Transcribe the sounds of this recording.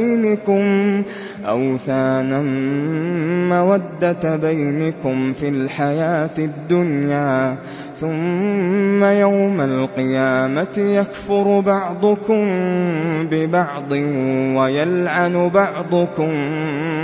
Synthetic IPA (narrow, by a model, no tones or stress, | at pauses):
jnakʊm | ʔawθaːnan | awad̪ːat̪bajnakʊmfilħajaːt̪ad̪ːʊnjaː | θʊmː | ajawmalqɨjaːmat̪ɪjakfʊɾˤbɑʕd̪ˤʊkʊm | bɪbɑʕd̪ˤɨwajalʕanʊbɑʕd̪ˤʊkʊm